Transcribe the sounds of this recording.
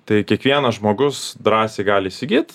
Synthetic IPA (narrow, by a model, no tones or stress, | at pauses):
t̪ɐɪkʲiɛkʋʲiɛnɐʒmoːɡʊsd̪ɾɑːsʲeːɡɑːlʲisʲɪɡʲiːt̪